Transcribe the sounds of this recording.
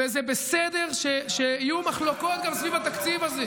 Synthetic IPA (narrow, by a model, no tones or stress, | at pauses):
ezebesed̪eʁʃeʃeijumaχlo̞ko̞t̪̚ɡamsvivat̪akt͡sivaze